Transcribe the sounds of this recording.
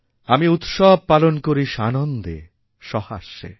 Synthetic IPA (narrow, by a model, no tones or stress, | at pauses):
amiut̪ʃɔb̚palonkoɾiʃanond̪ḛ | ʃɔhaʃḛ